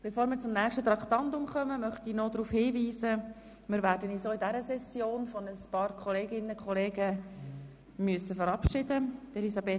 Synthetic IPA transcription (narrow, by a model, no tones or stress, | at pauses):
b̥efoːɾmɪːɾt͡sʊmnæːχʃtət̪ɾɑkt̪ɑntʊmχœməmœχt̪inod̪ɾuːfhiːviːsə | mɪːɾʋæːɾdənisoːidæɾəsɛsjoːnfɔnəspɑːɾkχɔleːɡɪnːəkʰχɔleːɡə | myəsəfəɾɑpʃɪdəd̪̥elisɑbeː